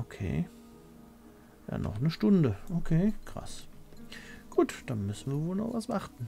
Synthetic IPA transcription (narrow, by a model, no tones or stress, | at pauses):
ʔokʰḛː | ja̰ːnʔɔ̰χnəʃtʊndəʔokʰeːkʁ̥a̰s | ɡ̥uːtd̥anmʏsn̩viːɐvoːlnɔχvasv̥aʁtn̩